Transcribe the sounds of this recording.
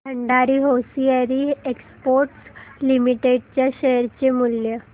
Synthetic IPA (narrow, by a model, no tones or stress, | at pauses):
əɳɖaɾiːɦosiəɾiekspoɾʈslimiʈeɖ̚t͡ɕjaɕeɾt͡ɕemuljə